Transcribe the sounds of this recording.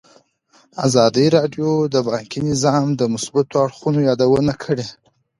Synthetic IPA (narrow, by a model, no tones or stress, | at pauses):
a̰zɑd̪iɾɑɖjod̪əbɑŋkinɪzɑmd̪əmʊsbat̪oaɽxunojɑd̪awənakʰəɽe